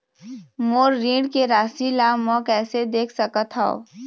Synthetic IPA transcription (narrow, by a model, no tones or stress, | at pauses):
moːɾːĩːɽkeɾaːsilaːmɔ̃kɛːsed̪eːkʰsəkət̪ʰao̰